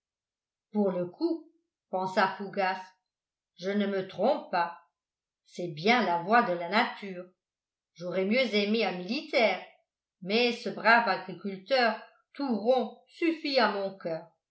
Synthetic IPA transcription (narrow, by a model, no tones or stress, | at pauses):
puʁləkʰu | pɑ̃safuɡas | ʒənəmət̪χɔ̃ppːa | sɛbjɛ̃lavwad̪əlanat̪yːʁ | ʒoʁɛmjøzɛmeãmilit̪ɛːʁ | mɛsəbʁavaɡʁikʲylt̪œːʁ | t̪uʁɔ̃syfiamɔ̃kœːʁ